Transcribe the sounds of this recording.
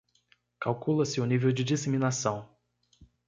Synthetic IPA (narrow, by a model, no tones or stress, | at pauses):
kawkulɐsɪʊnivewd͡ʒɪd͡ʒiseminasɐ̃w̃